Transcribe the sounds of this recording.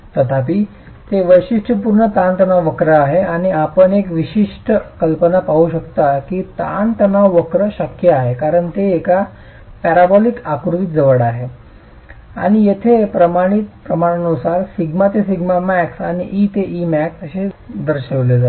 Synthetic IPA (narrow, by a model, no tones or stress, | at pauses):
t̪ət̪ʰapi | t̪eʋəjɕiʂʈʰəpuɾɳət̪ant̪ənaʋʋəkɾəaɦeaɽ̃iapəɳekʋiɕiʂʈəkəlpənapaɦuɕəkt̪akit̪a̰nt̪ənaʋʋəkɾəɕəkjəaɦekaɾəɳt̪eːka | pæɾabɔlikakɾuʋit̪̚d͡zəʋəɽaɦe | a̰ɽ̃ijet̪ʰepɾəmaɽ̃it̪̚pɾəmaɽ̃ənusaɾsiɡmat̪esiɡmamæksaɽ̃iʔiːt̪eʔimæksəɕed̪əɾɕəʋled͡zat̪